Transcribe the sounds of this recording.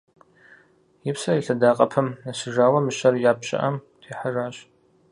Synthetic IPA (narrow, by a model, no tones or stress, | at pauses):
jɪpsɐɪɬɐdaːqʼɐpʰɐmnɨsɨʒaːwɐmɨɕɐrjaːpɕʼɪ̰ʔɐmtʰeːħaraːɕ